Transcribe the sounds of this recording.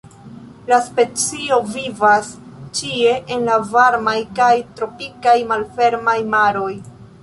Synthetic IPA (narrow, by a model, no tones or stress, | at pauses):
laspe̞t͡sio̞vivast͡ʃie̞ʔenlavaɾmajkajtɾo̞pikajmalfe̞ɾmajmaɾo̞j